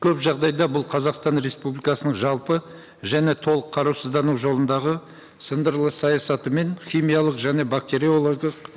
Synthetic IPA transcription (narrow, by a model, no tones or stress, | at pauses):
kʲʰɵpʒɑʁd̪ɑjd̪ɑbʊlˠqʰɑzɑqst̪ɑnɾe̞spublijkɑsənəɴʒɑlˠpə | ʒæne̞t̪ʰo̞lˠəqʰːɑɾuwsəzd̪ɑnuwʒo̞lˠənd̪ɑʁə | sənd̪əɾlˠəsɑjɑsɑt̪əme̞nχʲijmijalˠəqʒæne̞bak̚t̪e̞ɾiolˠoɡəq